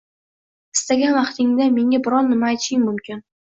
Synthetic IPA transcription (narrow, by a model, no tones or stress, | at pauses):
ɪ̥st̪aɡʲanvɑqt̪ʰɪŋd̪ame̞ŋʲabɪɾɒnːɪmaːjt̪ʰɪ̥ʃɪŋmʊmkʲɪn